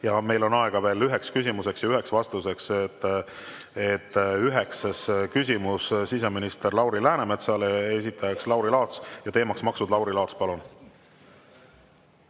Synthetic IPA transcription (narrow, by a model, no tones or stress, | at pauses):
jɑme̞jlo̞nɑeɡ̥ɑve̞ːlyɦe̞kskysʲimuse̞ksjɑyɦe̞ksvɑst̪use̞kset̪ː | et̪ːˑyɦe̞kseskysʲimussise̞minist̪erlɑwɾilæːneme̞t̪sɑlees̬it̪ːˑɑjɑkslɑwɾilɑːt̪sjɑt̪e̞ːmɑksmɑksud̪lɑwɾilɑːt̪spɑlun